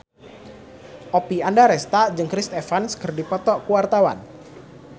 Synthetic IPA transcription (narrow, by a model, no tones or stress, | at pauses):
ʔopiandaɾɛst̪ad͡ʒɨŋkɾist̪ɛfanskərdipɔt̪ɔʔkuwart̪awa̰n